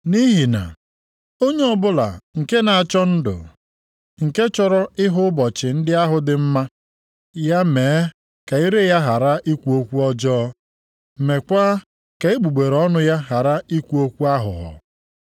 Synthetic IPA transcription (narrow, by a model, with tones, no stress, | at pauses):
ni˦ɦi˨na̰˨ | o˦ɲe˦ɔ˦bʊ˦la̰˨ŋ̩˨ke˦na˨a˨t͡ʃɔ˦n̩˦dʊ̰˨ | ŋ̩˨ke˦t͡ʃɔ˦ɾɔ˦ɪ˦ɦʊ˦bɔ˨t͡ʃɪ˨n̩˦dɪ˦a˦ɦʊ˨dɪ˨m̩˦ma˦ | ja˦meː˨e˦ | ka˨i˦ɾe˦ja˦ɦa˨ɾa˦ʔi˦kʷu˦o˦kʷu˦ɔ˦d͡ʒɔː˦˨ | me˨kʷa˦ | ka˨e˦ɡ͡bu˨ɡ͡be˨ɾɔ˦nʊ˦ja˦ɦa˨ɾa˦i˦kʷu˦o˦kʷu˦a˦ɦʊ̰˨ɦɔ̰˨